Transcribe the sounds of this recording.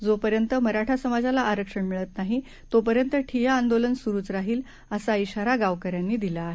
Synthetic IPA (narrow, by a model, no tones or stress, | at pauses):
d͡zopəɾjənt̪əməɾaʈʰasəmad͡zalaʔːɾəkʂəɳmiɭət̪naɦi | t̪op̬əɾjənt̪əʈʰijaːnd̪olənsuɾuːt͡sɾaɦiːl | əsaiɕaɾaɡaʋkəɾjanːiːd̪ilaːɦe